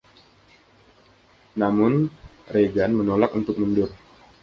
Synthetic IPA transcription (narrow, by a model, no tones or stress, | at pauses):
namʊnreɡanmənolakunt̪ʊk̚məndʊr